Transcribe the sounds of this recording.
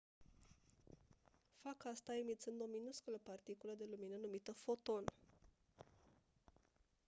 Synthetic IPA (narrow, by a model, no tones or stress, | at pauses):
fakast̪aimit̪sɨnd̪ominuskuləpart̪ikuləd̪e̞luminənumit̪əfo̞t̪o̞n